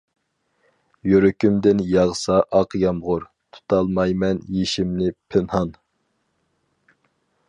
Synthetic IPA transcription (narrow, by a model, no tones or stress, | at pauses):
joɾykʲymd̪ɪnjɑʁsɑʔɑqjɑmʁʊɾ | t̪ʰu̥t̪ʰɑlˠmɑjmɛnjeʃimnɪpʰɪnhɑn